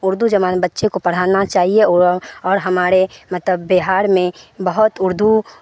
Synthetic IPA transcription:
ʊɾd̪ʱud͡ʒɐʋaːnbətːʃekopɐɽ̤aːnat͡ʃaːɦieɔːɾɦɐmaːɾemɐt̪ləbːeɦaːɾmẽbəɦʊt̪ʊɾd̪ʱu

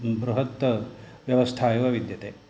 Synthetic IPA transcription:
bɾuɦɐt̪ːʋjɐʋɐst̪ʰaːjuʋɐʋid̪jɐt̪eː

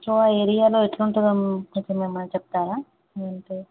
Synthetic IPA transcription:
ɾoaːeːɾijaːloːeʈlouɳʈund̪ɐmt̪emeːmːɐnɐt͡ʃɛp̚t̪aːɾaː | ɐnʈeː

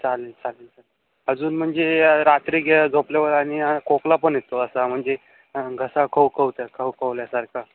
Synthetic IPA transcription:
t͡salit͡salit͡sal | əd͡zuːnm̤əɳd͡zeɾat̪ɾiːɡʱed͡zʱopljaʋəɾaɽ̃iakoklapəɳjet̪oəsam̤əɳd͡ze | ɡʱəsakʰəwkʰəwt̪akʰəwkəʋljasaɾkʰa

